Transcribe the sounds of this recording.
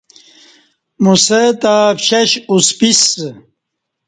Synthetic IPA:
muset̪apɕɐɕuspis

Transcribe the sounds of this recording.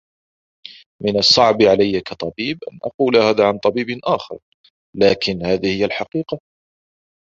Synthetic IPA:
mɪnɑsˤːɑʕbʕalajːakɑt̪ˤɑbiːbʔa̰nʔɑ̰quːlahaːðaːʕant̪ˤɑbiːbnʔaːxɑ̰ɾˤ | laːkɪnhaːðɪhɪjːalħɑqiːqɑ

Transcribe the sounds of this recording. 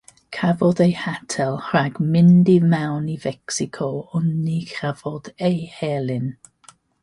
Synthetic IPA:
kʰavɔdejhatʰɛlˠhɹaɡ̥mɪndɪvmawnivɛksɪkʰɔʊnːikʰavɔd̥ejhɛlɪn

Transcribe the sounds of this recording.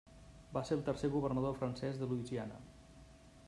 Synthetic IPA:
baselˠt̪ərseɣuβərnəðofɾənsɛzðəluizianə̰

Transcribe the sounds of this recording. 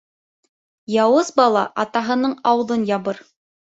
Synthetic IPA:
jɑwɤzbɑlˠɑ̰ʔɑt̪ɑɦɤ̆nɤɴɑwðɤnjɑβɤɾ

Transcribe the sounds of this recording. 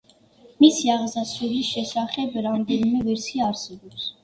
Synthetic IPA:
misjɑʁzɑsuvlisʃɛsɑχɛbəɾɑnd̪ɛlumɛvɛɾsʰiɑɾsɛvɔs

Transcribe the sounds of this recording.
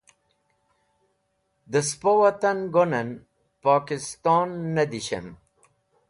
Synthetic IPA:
d̪əspowɐt̪ɐnɡonɐn | paːkist̪ɔːnːɐd̪iɕɐ̰n

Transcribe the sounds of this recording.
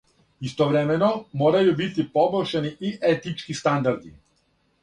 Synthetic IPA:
ist̪oʋɾemenomoːɾajubit̪ipobolʲʃeniʔiʔet̪it͡ʃkist̪and̪aɾd̪ḭ

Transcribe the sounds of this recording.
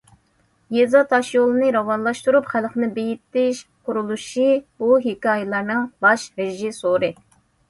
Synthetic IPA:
jezɑt̪ʰɑʃjolˠɨnɨɾɑwɑnlˠɑʃt̪uɾupχælχnɪbejit̪ːɪʃqʰuɾulˠuʃibuɦikɑːjɪlˠɑɾnɨŋbɑʃɾɪʒɪsoɾɨ

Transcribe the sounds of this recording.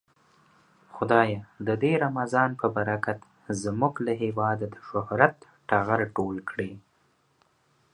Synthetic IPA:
xʊd̪ɑjed̪əd̪eɾamazɑnpəbaɾakat̪ | zmuɡlaɦewɑd̪ad̪əʃʊhɾat̪ | ʈaɣaɾʈolkɽe

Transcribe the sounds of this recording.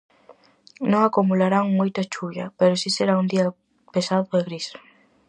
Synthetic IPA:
nõŋakumulaɾaŋmojt̪at͡ʃuʎɐpeɾʊsiseɾaund̪iɐ | pesaðʊeɣɾis

